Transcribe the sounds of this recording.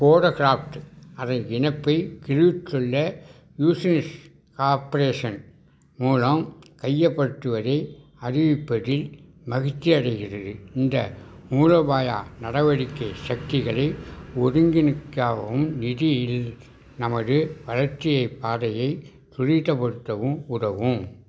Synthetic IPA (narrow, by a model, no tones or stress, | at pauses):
koːɽɐkɪɾaːft̪ɯɐðɐnɡɪnɐpːɐɪkɪrɯʋt͡ʃːɔɭːɐ | juːsɐnɪs | kaːɾpɐɾeːʂɐn | muːlɐmkɐjːɐpːɐʈːɯʋɐðɐɪɐɾɪʋɪpːɐɽɪl | mɐɣɪt̪ːiɐɽɐɪɣɪrɐðɯɪnd̪ɐmuːɻɐbaːja̰ːnɐɽɐʋɐɽɪkːɐɪsɐk̚t̪ɪɣɐɭɐɪɔɾɯŋɡɪnɪkːaːʋɐʋɯmnɪðɪjɪl | nɐmɐðɯʋɐɻɐɾt̪ːɪjɐɪpːaːðɐjɐɪ | t̪ʊɻɪt̪ːɐpːɐɽɯt̪ːɐʋɯmʊɾɐʋɯm